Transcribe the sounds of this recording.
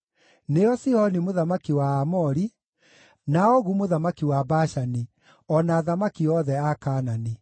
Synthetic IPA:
neɔsiɔnimoðamakiwaːmɔɾi | naɔɣumoðamakiwabaʃani | ɔnaːðamakiɔðɛakaːnani

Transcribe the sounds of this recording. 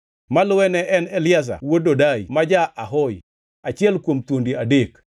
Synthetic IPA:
malʊwɛnɛʔɛnɛlɪas̬a̰wododaimad͡ʒaʔaɦɔj | at͡ʃɪɛlkwomt̪wondiadek

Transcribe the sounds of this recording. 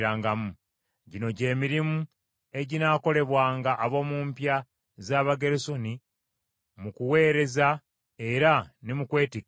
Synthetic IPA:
ɾaːŋɡamu | ɟino̞ɟe̞ːmiɾimu | e̞ɟinaːko̞le̞βwaːŋɡaʔːβo̞muːmpja | zaːβaɡe̞ɾeso̞ni | mukuwe̞ːɾe̞za | e̞ɾanimukwe̞ːtik

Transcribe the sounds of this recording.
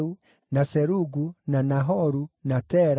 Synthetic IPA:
u | nasɛɾuɡunanaɦɔɾunatɛɾ

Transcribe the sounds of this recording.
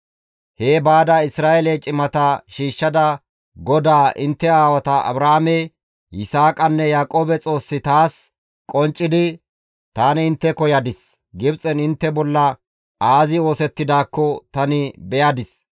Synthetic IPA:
he̞ːbaːd̪aɪsɾaːʔɛlɛt͡ʃʼɪmɐt̪ɐʃiːʃːɐd̪ɐ | ɡɔd̪aːʔɪnt̪ːɛaːwɐt̪ɐʔɐ̰bɾaamɛ | jɪsaːkʼɐnːɛjaːkʼoːbɛt͡sʼo̞ːsːɪt̪aːs | kʼɔnt͡ʃʼːɪd̪ɪ | t̪aːnɪɪnt̪ːɛkɔjɐd̪ɪs | ɡɪbt͡sʼɛnɪnt̪ːɛbɔlːɐ | aːzɪo̞ːsɛt̪ːɪd̪aːkːɔt̪ɐnɪbɛjɐd̪ɪs

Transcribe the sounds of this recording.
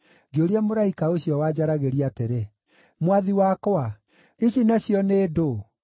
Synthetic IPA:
ɡeoɾeamoɾaikaoɕjɔwad͡ʑaɾaɣeɾiateɾe | mwaðiwakɔa | iɕinaɕjɔneːdo

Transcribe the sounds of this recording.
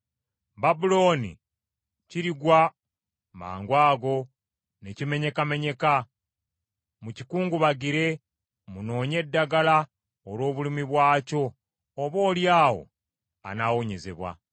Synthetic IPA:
babulo̞ːnḭ | ciɾiɡwa | ma̰ːŋɡwaːɡo̞ | ne̞cime̞ɲe̞kame̞ɲe̞ka | mucikuːŋɡuβaɡiɾe̞ | muno̞ːɲe̞dːaɡala | olo̞ːβulimiβwaːco̞ː | βo̞ːljaːwo̞̰ | a̰naːwo̞ɲe̞ze̞̰βwa̰

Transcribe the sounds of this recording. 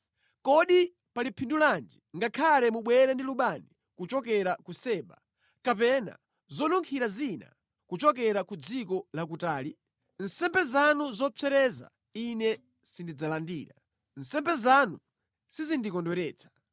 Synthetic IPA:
kɔɗi | palipʰinduland͡ʒiŋɡakʰalɛmuɓwɛɾɛndiluɓani | kut͡ʃɔkɛɾakusɛːɓa̰ | kapɛna̰ | zɔnuŋkʰiɾazina̰ | kut͡ʃɔk̬ɛɾakud͡zikɔlakutaːli | n̩sɛmbɛzanuzɔpʰɛɾɛza̰ | inɛ | sindid͡zalandiːɾa | n̩sɛmbɛzanu | sizindikɔndwɛɾɛːt͡sʰḁ

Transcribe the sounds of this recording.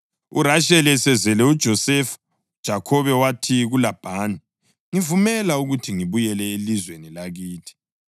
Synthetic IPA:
uɾaʃɛlɛsɛzɛlɛud̥ʒ̥ʱɔsɛfu̥ | d̥ʒ̥ʱakʰɔβɛwatʰiɣulab̥ʱaːni | ŋivumɛlauɣutʰiŋiβujɛlɛelizwenilaɣiːtʰi̥

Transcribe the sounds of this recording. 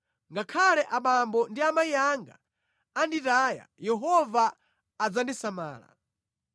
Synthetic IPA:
ŋɡakʰalɛʔaɓambɔndiamaijaŋɡa̰ | anditaːja̰jɛɦɔvaː | d͡zandisama̰ːla̰

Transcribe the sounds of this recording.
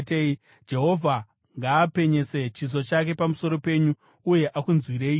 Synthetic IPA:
tei | d͡ʒe̞ɦo̞vʱa | ŋɡaːpe̞ɲe̞se̞t͡ʃiz̬o̞t͡ʃak̬e̞pamuso̞ɾo̞pe̞ɲuː | je̞ʔakunzwiɾeːiː

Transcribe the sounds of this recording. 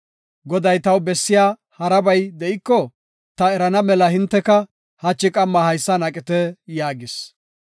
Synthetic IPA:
ɡɔd̪ɐjt̪ɐwbɛsːɪjaː | hɐɾɐbɐjd̪ɛʔɪkːɔ | t̪ɐɛɾɐnɐmɛlɐhɪnt̪ːɛkɐ | hɐt͡ʃːɪkʼɐmːɐhɐjsːɐnɐkʼɪt̪ɛjaːɡɪs

